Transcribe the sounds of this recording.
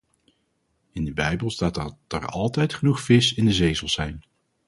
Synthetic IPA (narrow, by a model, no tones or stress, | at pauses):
ɪndəbɛjbəlˠstaːtdɛ̰ɹɑ̰lˠtɛjtχənuχfɪsɪndəzejzəlˠzɛjn